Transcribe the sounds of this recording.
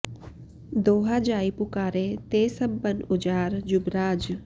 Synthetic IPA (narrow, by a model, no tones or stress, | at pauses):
d̪oːɦaːd͡ʒaːipʊkaːɾet̪eːsəbːənʊd͡ʒaːɾd͡ʒʊbɾaːd͡ʒ